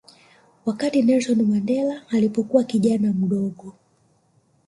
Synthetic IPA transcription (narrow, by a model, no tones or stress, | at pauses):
wakatinɛlsɔnmandɛlaːlipɔkuwakiʄanam̩ɗɔɡɔ